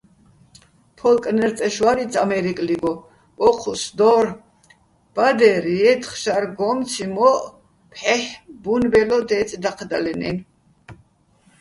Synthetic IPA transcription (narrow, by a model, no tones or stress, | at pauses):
pʰɔlkʼnɛɾt͡s̪ʼɛʃwaɾit͡s̪ʰamɛɾikʼliɡɔ | pʼɔqʰusd̪ɔɾ | b̥ad̪ɛɾiɛt̪ʰχʃaɾɡɔmt̪t͡sʰimɔʔ | pʰħɛħbunbɛlɔd̪ɛt̪t͡s̪ʼd̪aqʰd̪a̰lɛnɛ̰n